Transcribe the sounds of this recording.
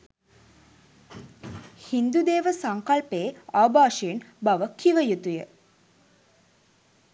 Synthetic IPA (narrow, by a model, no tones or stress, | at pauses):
hind̪ud̪eːʋəsaŋkɐlpeːaːbaːʃejenbaʋəkʰiʋəjut̪ujə